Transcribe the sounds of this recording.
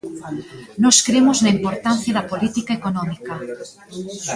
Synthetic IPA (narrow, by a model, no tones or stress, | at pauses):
nɔskɾemʊznɐimpoɾt̪an̟θjɐðɐpolit̪ikaekonɔmikɐ